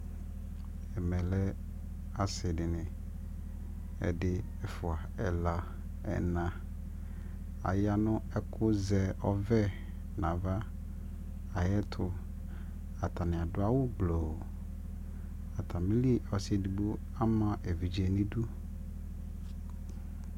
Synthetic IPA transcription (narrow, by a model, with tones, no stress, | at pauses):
ɛ˨mɛ̃˨lɛ˦ | a˨sɪ˨dɪ˨nɪ̃˨ | ɛ̰˨dɪ˦ | ɛ˨fʊ˨a˨ɛ˨la˨ | ɛ̰˨nã˨ | a̰˨ja˦nʊ̃˦ɛ˦kʰʊ˦zɛ˨ʔɔ˦vɛ˦ | nã˨va˦ | a˨jɛ˦t̪ʰʊ˨ | a˨t̪ʰa˨nɪ̃˨a˨dʊ˦a˦wʊ˦blo˨ | a˨t̪ʰa˨mĩ˦li˦ɔ˨sɪ˨di˨bu˦ | a˦mã˦ʔe˨vi˨d͡ʑi˨ɛ˨nɪ̃˦du˦